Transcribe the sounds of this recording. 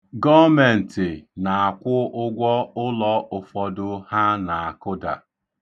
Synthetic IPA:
ɡɔ˦me˨n̩˨tɪ˨na˨a˨kʷʊ˦ʔʊ˦ɡʷɔ˦ʊ˦lɔ˦ʊ˨fɔ˨dʊ˦ha˦na˨a˨kʊ˦da̰˨

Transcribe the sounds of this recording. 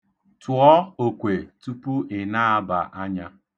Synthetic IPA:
tʊ˨ɔ˦o˨kʷe˨tu˦pu˦ʔɪ˨na˦a˦ba̰˨ʔa˦ɲa˦

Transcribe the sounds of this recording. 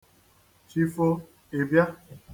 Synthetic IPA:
t͡ʃi˦fo˦ | e˨bja˦

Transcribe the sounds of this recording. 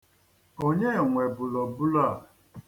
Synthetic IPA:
o˦ɲe˦˨ŋʷe˨bʊ˨lɔ˨bʊ˦la˦˨

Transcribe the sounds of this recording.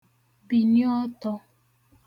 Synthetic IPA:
bi˨njɔ˦tɔ˦

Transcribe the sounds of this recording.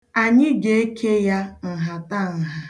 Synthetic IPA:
a˨ɲɪ˦ɡe˦e˦kʰe˦ja˦n̩˨ɦa˨ta˦˨n̩˨ɦa˦

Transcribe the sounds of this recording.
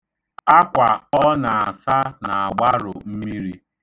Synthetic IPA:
a˦kʷa˨ɔ˦na˨a˨sa˦na˨a˨ɡ͡ba˦ɾʊ̰˨m̩˦mi˦ɾi˦

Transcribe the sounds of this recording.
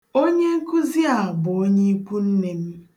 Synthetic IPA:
o˦ɲe˦ŋ̩˦kʊ˦zi˦a˨bʊ˨o˦ɲe˦kʷu˦n̩˦ne˨m̩˦

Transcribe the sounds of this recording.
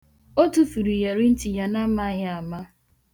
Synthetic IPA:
o˦tu˦fu˨ɾi˨je˨ɾi˦n̩˦ti˨ja˨na˦ma˦ɦɪ˦a˨ma˦

